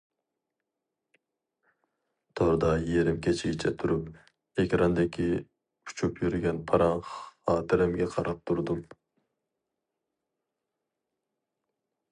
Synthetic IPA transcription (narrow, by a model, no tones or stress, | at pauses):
t̪ʰoɾd̪ɑjeɾɪmkʲʰet͡ʃʰiɡʲit͡ʃʰɛt̪ʰuɾup | ekʲɾɑnd̪ɪkʲʰi | u̥t͡ʃʰupjyɾɡʲɛnpʰɑɾɑɴχɑːd̪ɪɾɛmɡʲɛqʰɑɾɑp̚t̪ʰuɾd̪um